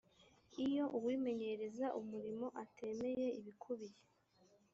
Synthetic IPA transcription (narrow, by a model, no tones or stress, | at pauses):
ijo̞ʔuwiːme̞ɲe̞ɾe̞zaʔumuɾimo̞ʔatʰe̞me̞je̞iβikʰuβiɾe